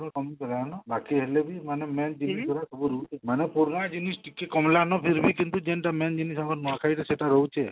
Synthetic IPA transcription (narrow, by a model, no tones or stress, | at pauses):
nɔ̃kɔmipɔɾaanɔbakiɦelebʱimanemend͡ʒinisɔɾasʰubuɾuut͡ʃʰemanepuɾnad͡ʒinisʈikekɔmlanɔpʰiɾbʱikint̪ud͡ʒenʈamend͡ʒinisaɡɔnmuakʰajt̪ʰeseʈaɾɔut͡ʃʰe